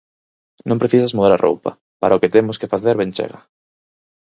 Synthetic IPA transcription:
nõmpɾeθisazmoeɾarʔo̰wpa̰ | paɾaoket̪emʊskefaθeɾβẽnʲt͡ʃḛɣa

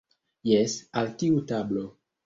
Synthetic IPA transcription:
jɛsaltiutablo

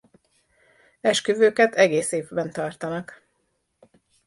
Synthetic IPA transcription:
ɛʃkøvøːkɛt̪ʰɛɡeːseːvbɛnt̪ɒrt̪ɒnɒk

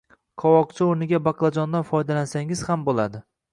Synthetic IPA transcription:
kʰɒwɒq̚t͡ʃʰɪoɾnɪɡʲabɑqlˠad͡ʒɒnd̪anfɒjd̪alansaŋɪz̥hambolad̪ɪ

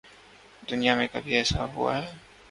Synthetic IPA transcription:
d̪ʊnijamẽkɐbʱiɛːsa̰ɦṵa̰ɦɛː

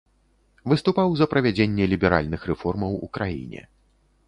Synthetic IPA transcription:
vɨst̪upawzɐpɾɐvʲad͡zʲenʲːɛlʲibʲɛɾa̰lʲnɨxrɛfɔrmɐwṵkɾajḭnʲɛ̰

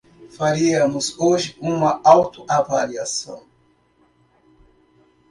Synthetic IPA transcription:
faɾiɐmʊzoʒɪũmɐawt̪ʊʔavaliasɐ̰̃w̃

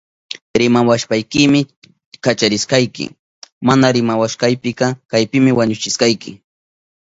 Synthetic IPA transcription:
ɾɪmawaʃpajkɪmɪ | kat͡ʃaɾɪsqɑjkɪ̰ | manaɾɪmawaʃqɑjpɪkɑkajpɪmɪwaɲʊt͡ʃɪsqɑjkɪ̰

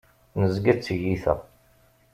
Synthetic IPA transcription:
nəzɡæt͡sːəʝiθæ̰

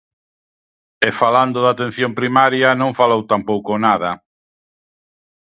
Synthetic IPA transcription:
efaland̪ʊðat̪en̟θjompɾimaɾjanõɱfalowt̪ampowkʊnað̞ɐ

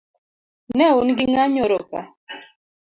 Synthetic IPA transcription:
nɛunɡɪŋaɲoɾoka̰

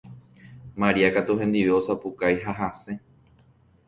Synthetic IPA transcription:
mãɾiakat̪uhẽ̞nd̪iʋe̞o̞sapukajɦaɦasẽ̞

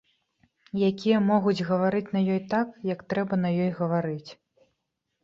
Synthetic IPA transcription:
jakʲijɐmɔɣud͡zʲɣɐvaɾɨt͡sʲnɐjɔjt̪akjɐkt̪ɾɛbɐnɐjɔjɣɐvaɾɨt͡sʲ

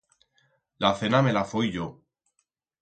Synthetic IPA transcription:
laθe̞name̞lafujʝo

